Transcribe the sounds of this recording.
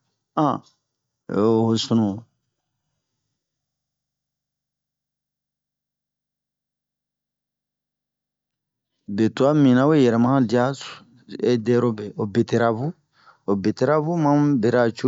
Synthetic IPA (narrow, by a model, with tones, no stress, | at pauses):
ã˨ | ho˨su˦nũ˨ | be˨tu˨a˦mĩ˨nã˦we˦jɛ˨ɾɛ˨mã˦ã˦di˦a˦s | e˦dɛ˦ɾo˦bɛ˨o˨be˨te˨ɾa˨bu˦ | o˨be˨te˨ɾa˦bu˦mã˦be˨ɾa˨t͡ʃu˦